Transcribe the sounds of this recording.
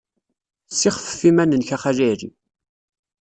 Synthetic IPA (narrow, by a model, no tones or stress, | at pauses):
siχə̥fə̥fimænənçaχaʒæɾḭ